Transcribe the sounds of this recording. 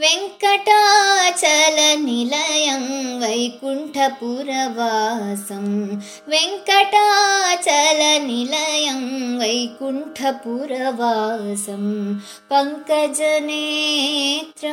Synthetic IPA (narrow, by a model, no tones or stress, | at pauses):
ʋeŋkɐʈaːt͡ʃɐlɐnilɐjɐmʋɐjkuɳʈʰɐpuːɾɐʋaːsɐm | ʋeŋkɐʈaːt͡ʃɐlɐnilɐjɐmʋɐjkuɳʈʰɐpuːɾɐʋaːsɐm | pɐŋkɐd͡ʒɐneː | t̪ɾɐ